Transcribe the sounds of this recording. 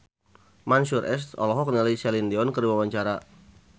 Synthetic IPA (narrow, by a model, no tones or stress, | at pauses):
mansurʔɛ̰s̬t̪ɔ̰lɔɦɔk̚nilajsɛlindeɔnkərwawaɲt͡ʃaɾa